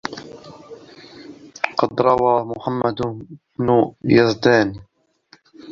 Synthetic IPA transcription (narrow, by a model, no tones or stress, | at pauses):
qɑd̪ɾˤɑwaːmʊħamːad̪bnʊjazd̪aːni